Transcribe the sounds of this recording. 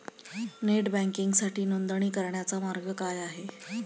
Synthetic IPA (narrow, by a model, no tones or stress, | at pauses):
neʈbæ̃ŋkiŋɡsaʈiːnond̪əɳ̃iːkəɾɳjat͡samaɾɡəkajaɦe